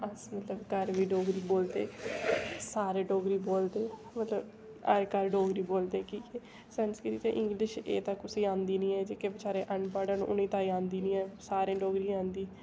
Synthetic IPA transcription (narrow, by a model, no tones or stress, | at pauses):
əsmət̪ləbkəɾʋiːɖoːɡɾiːboːld̪eː | saːɾeːɖoːɡɾiːboːld̪eː | mət̪ləb | ə̰ɾkəɾɖoːɡɾiːboːld̪eːkiːkɛː | sɛːnskɪɾiːt̪eʔɪ̃ŋɡlɪʃeːt̪ãkːʊsiːãːnd̪iːnĩːɛːd͡ʒeːkeːbɪt͡ʃaːɾeːʔəɳɖpaːɖəñ̰ːʔʊ̰nĩːt̪aːiːãːnd̪iːnĩːɛːsaːɾẽːɖoːɡɾiːãːnd̪iː